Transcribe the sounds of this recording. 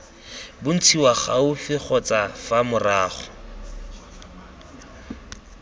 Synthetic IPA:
bʊn̩t͡sʰiwaχaʊfɪχɔt͡sʼafamʊraːχɔ̥

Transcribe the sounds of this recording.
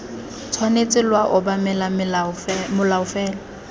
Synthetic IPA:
t͡sʰwanet͡sʼɪlwaʔʊbamɛlam | mʊlaʊfɛːla

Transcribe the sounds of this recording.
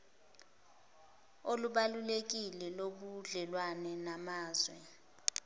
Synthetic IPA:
oluɓalulek̬ilɛloɓuɮɛlwanɛnamaːzwɛ

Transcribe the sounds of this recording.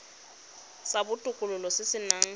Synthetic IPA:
sabʊtʼʊkʼʊlʊlɔsɪsɪnaŋ̩

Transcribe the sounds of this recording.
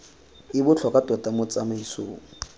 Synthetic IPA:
ɪbʊt͡ɬʰɔkʼatʼɔtʼamʊt͡samaisoːŋ̩

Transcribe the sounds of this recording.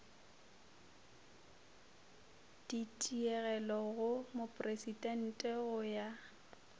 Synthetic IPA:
d̥itʼiɛɣɛlɔɣʊmopʼresidʼɛn̩tʼɛɣʊja

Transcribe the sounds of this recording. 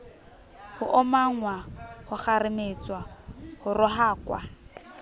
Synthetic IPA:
hʊʔɔmaŋ̩wahʊχarɪmet͡sʼwahʊrʊɦaːkwa̰

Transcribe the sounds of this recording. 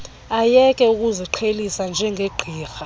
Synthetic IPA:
ajɛkʼɛuk̬ʼuziǃʰelisand͡ʒʱɛŋɡʱeɡ͡ǃʱiːxa

